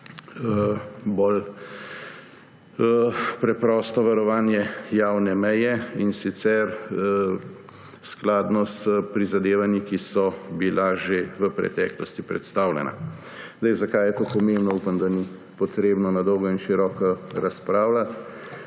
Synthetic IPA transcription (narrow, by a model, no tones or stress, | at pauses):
əbol | pɾɛpɾɔst̪ɔʋaɾɔʋaːnjɛjaːwnɛmɛjɛinsit̪sɛɾə | sklaːd̪nɔsəpɾizad̪eːʋanjikisɔbilaʒeʋəpɾɛ̰t̪ɛːklɔst̪ipɾɛ̰t̪st̪aːwlɛ̰nʔa̰ | zd̪ɛjzakajɛt̪oːpɔmeːmbnɔupamd̪ani | pɔt̪ɾeːbnɔnad̪ɔwɡɔinʃiɾɔkɔɾaspɾaːwlat̪